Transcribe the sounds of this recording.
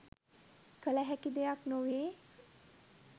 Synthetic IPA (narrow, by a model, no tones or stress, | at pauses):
kələɦækid̪ejaknoʋeː